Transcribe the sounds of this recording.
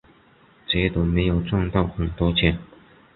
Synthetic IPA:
t͡ɕɛ˨˧˥t̪o˨˥ʊme˧˥ɪjo˨˩ʊt͡swɑ˥˧ŋt̪ɑ˥˩ʊxə˨˩nt̪wɔ˥t͡ɕʰjɛ˧˥n

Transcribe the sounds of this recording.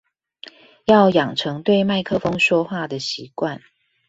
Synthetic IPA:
jɑ˥˩ʊjɑ˨˩ŋʈ͡ʂʰɤ˧˥ŋt̪we˥˧ɪma˥˩ɪkʰɤ˥fɤ˥ŋʂwɔ˥xwa˥˩d̪ə˩ɕi˨˦kwa˥˨n

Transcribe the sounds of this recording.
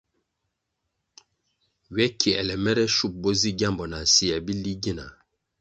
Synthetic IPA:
ɥɛ˦kʰi˨ɛ˨lɛ˨mɛ˦ɾɛ˦ʃu˦˨p̚bɔ˦zi˦ɡa˦˨mbɔ˨na˨si˦ja˨bi˦li˦ɡi˦na̰˨

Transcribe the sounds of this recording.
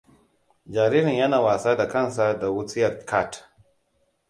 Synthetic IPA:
d͡ʒaː˨ɾiː˦ɾɪ˨ɲjɐ˦naː˨waː˨saː˦da˨kɐ˦˨nsa˦da˨wʊ˦t͡sɪ˦jɐ˨tkʰa˦˨t

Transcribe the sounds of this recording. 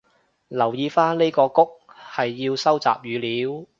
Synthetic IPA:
lɐ˨˩wjiː˨˧faː˥nle˥jkɔː˧kʊ˥k̚hɐ˨jːiː˧wsɐ˥wt͡sa̰ː˨p̚jyː˨˧liː˨˥w

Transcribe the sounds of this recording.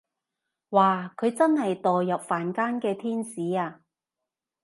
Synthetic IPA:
waː˨kʰɵ˨˧ɥt͡sɐ˥nɦɐ˨jt̪ɔː˨jɐ˨p̚faː˨nkaː˥nkɛː˧t̪ʰiː˥nsiː˨˥aː˧

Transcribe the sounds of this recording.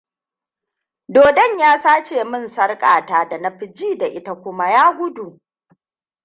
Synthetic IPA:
doː˨dɐ˦˨ɲjaː˦saː˦t͡ʃeː˨mɪ˦˨nsɐ˦rkʼaː˨taː˦da˨nɐ˦ɸɪ˨d͡ʒiː˦da˨ʔɪ˦ta˨kʷʊ˦ma˦jaː˦ɡʷʊ˦du˨ʔ

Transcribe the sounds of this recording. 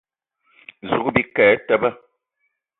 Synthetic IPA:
zu˨kbi˦kɛː˨˦tɛ˦bə˦

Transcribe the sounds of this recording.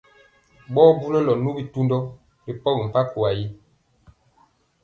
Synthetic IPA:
bɔː˦bu˦lɔ˦lɔ˨nu˦bi˨tu˦ndɔ˦ | li˨pɔ˦ɡi˨m̩˨pa˦ku˨a˨ji˦

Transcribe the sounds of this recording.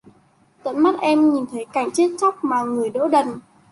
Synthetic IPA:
t̪ə̰˧˨nma˦˥t̚ʔɛ˧mɲi˨˩nt̪ʰə˨˦jka˧˩jŋ̟t͡ɕe˦˥t̚t͡ɕa˦˥wk͡p̚maː˨˩ŋɨ˨˩əjɗo̰˧˥ɗə˨˩n

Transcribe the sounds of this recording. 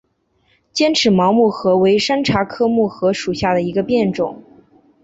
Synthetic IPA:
t͡ɕjɛ˥nʈ͡ʂʰɻ̩˧˥mɑ˧˥ʊmu˥˩xɤ˧˥we˧˥ɪʂa˥nʈ͡ʂʰa˧˥kʰɤ˥mu˥˩xɤ˧˥ʂu˨˩ɕja˥˩d̪ə˩i˧˥ɡə˧pjɛ˥˩nʈ͡ʂʊ̰˨˩˦ŋ

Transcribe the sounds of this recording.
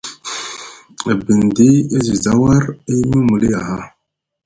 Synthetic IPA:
bi˨n˨di˦i˦zi˨za˦wa˦ɾi˦nu˦mu˨li˦ja˨ɦa˦

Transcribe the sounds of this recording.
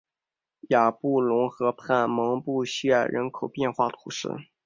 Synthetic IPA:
ja˨˩pu˥˩lʊ˧˥ŋxɤ˧˥pʰa˥˩nmɤ˧˥ŋpu˥˧ɕɥɛ˥˩ɻə̰˧˥nkʰo˨˩ʊpjɛ˥˧nxwa˥˩t̪ʰu˧˩˥ʂɻ̩̰˥˩

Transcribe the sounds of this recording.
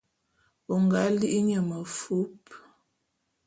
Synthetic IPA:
ɔ˨ŋɡa˨˦li˦ʔi˦ɲə˨mə˨fu˦p

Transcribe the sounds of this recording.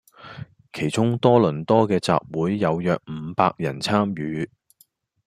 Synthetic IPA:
kʰe˨˩jt͡sʊ˥ŋt̪ɔː˥lɵ˨˩nt̪ɔː˥kɛː˧t͡sa̰ː˨p̚wuː˨˥jːɐ˨˧wjœː˨˧k̚m̩ː˨˧˦paː˧k̚jɐ˨˩nt͡sʰaː˥mjyː˨˧˥

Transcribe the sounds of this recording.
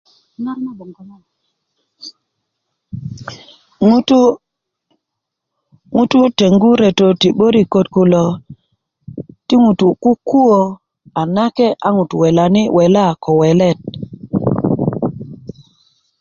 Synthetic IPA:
na˦ɾma˦bo˨ŋɡ | u˦tu˦ | ŋu˦tu˦te˨ŋɡu˦ɾe˨to˨ti˨ɓo˦ɾi˨ko˨t̚ku˨lo˨ | ti˦ŋu˨tu˨ku˦kːu˦wo˨ | a˨na˦ke˦ʔa˦ŋu˨tu˨we˨la˨ni˦wʔe˨la˦˨ko˨we˨le˦˨t̚

